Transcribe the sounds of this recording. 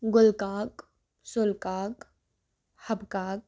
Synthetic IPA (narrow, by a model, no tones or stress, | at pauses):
ɡʊlkaːk | sʊlkaːk | hɐbkaːk̚